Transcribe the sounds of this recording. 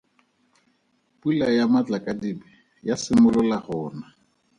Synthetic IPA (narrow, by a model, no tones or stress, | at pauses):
pʼulajamat͡ɬakʼadibɛ | jasɪmʊlʊlahɔːna